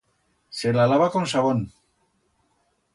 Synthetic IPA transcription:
selalaβakonsaβon

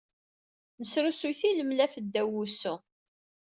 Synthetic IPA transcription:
nəsɾusujθiləmlæfəd̪ːæwːusu

